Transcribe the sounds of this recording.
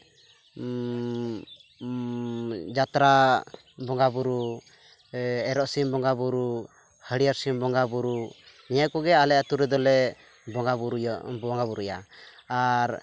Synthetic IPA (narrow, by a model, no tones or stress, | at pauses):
d͡ʒat̪ɾa | bɔŋɡabuɾu | ɛɾɔʔsimbɔŋɡabuɾu | həɽijaɾsimbɔŋɡabuɾu | nɛjaʔkɔɡɛalɛʔat̪uɾɛd̪ɔlɛ | bɔabuɾbɔŋɡabuɾujaaɾ